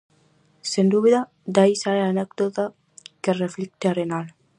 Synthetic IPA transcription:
send̪uβeða | d̪ajsaɾeanek̚d̪ot̪a | kereflik̚t̪aɾenal

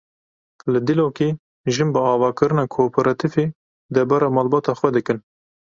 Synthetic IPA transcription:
lɨd̪iloːkiː | ʒɨnbɨɑːvɑːkɨɾɨnɑːkʰoːpʰɛɾɑt̪ʰife | d̪ɛɾbɑɾɑːmɑːlbɑːt̪ɑːxwɛd̪ɨkɨn

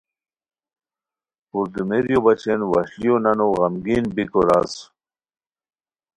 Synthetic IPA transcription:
puɾd̪umeɾjobɐt͡ɕenwɐɕlijonɐnoɣɐmɡiːnbikoɾas

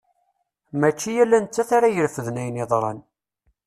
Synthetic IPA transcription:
mæt͡ʃːijælːænt͡sːæθaɾajəɾfəðnæjəneðˤɾˤɑ̰n

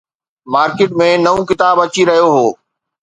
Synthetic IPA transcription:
maːɾkɪːʈmẽnɐʋũkɪt̪aːbɐt͡ɕiɾɐɦijoɦoː

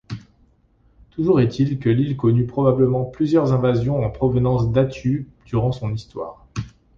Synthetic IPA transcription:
t̪uʒuʁɛt̪ʰilkəlilkɔnypχɔbabləmɑ̃plyzjœʁzɛ̃vazjɔ̃ɑ̃pχɔvənɑ̃sd̪at̪y | d̪̥yʁɑ̃sɔ̃nist̪wa̰ːʁ

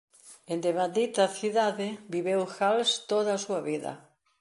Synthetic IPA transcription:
end̪emad̪it̪ɐθiðaðɪbiβewxalst̪oðasuɐβiðɐ̰

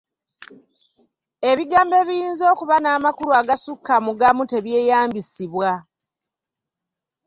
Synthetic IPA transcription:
e̞βiɡaːmbe̞βijiːnzo̞ːkuβanaːmakuɾuaɡasukːamuɡamute̞βje̞ːjaːmbisiβwa

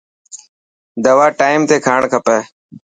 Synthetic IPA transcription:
d̪ɐwaːʈaːimt̪eːkʰaːɳkʰɐpeː

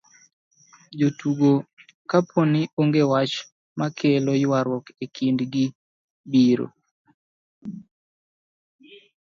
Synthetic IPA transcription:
d͡ʒotuɡo | kapʰonɪʔoŋɡewat͡ʃ | makʰelojwaɾwɔkekʰindɡɪ | biɾo̰

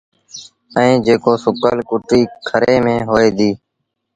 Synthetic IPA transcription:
əĩːd͡ʒeːkoːsʊkəlkʊʈiːkʰəɾeːmẽːɦoːeːd̪iː

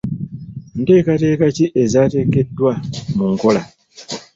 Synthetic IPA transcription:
n̩tekatekat͡ʃiʔezateketwamuŋ̩kola̰

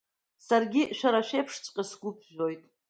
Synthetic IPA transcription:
sarɡʲiʃᶣaɾaʃᶣejpʰʂt͡sʼqʲʼasɡʷʊpʰʒo̞jtʼ

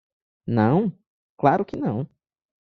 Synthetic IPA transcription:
nɐ̃w̃ | klaɾʊkɪnɐ̃w̃

